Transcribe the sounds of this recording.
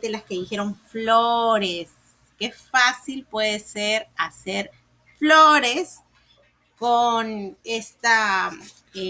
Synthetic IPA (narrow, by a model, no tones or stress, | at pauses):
d̪elaske̞ðixe̞ɾo̞ɱfloɾes | kefasilpwe̞ðeseɾase̞ɾ | flo̞ɾe̞s | kone̞st̪a